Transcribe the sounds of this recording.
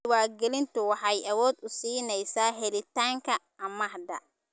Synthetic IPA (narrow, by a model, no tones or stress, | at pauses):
waːɾɡɛlɪnt̪ʰʊwɑħɑjʔɐwɔːd̪ʊsiːnɛjsaːɦɛlɪt̪ʰaːŋkʰɐ | ɐmɐhd̪ɐ